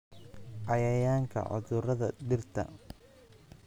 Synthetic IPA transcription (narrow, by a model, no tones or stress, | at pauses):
ʔɑjɐjaːŋkʰɐ̰ʕʊ̰ðʊrɐðɐɖ̪ɪrt̪ʰɐ̰